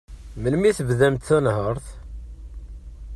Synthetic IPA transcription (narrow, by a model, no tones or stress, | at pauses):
məlmiθəvðæmt̪θænhəɾˤθ